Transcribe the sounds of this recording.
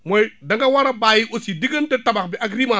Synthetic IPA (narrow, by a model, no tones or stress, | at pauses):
modaŋɡawaɾabajiʔosidiɡəntetabakbiʔaɡɾima